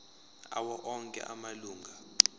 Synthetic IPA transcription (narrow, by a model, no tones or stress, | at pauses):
a̰wɔʔɔŋkʼɛ̰ʔamaluːŋɡʱa